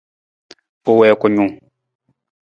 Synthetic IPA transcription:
o˨wɛ˨kɔ˨ɲũ˨ŋ

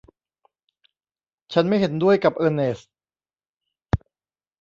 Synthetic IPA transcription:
t͡ɕʰa˦˥nma˥˩jɦe˨˩˦ndu˥˩əjka˨˩p̚ʔɤː˧neː˨˩s

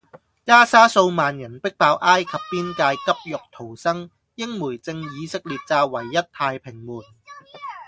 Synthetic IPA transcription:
kaː˥saː˥so˧wmaː˨njɐ˨˩npɪ˥k̚paː˧wʔaː˥jkʰɐ˨pːiː˥nkaː˧jkɐ˥p̚jʊ˨k̚t̪ʰo˨˩wsɐ˥ŋ | jɪ˥ŋmuː˨˩jt͡sɪ˧ŋjiː˨˧sɪ˥k̚liː˨t̚t͡saː˧wɐ˨˩jːɐ˥t̚t̪ʰaː˧jpʰɪ˨˩ŋmuː˨˩n

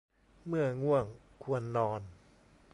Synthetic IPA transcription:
mɯ˥˩ɐŋu˥˩əŋ | kʰu˧ənːɔː˧n

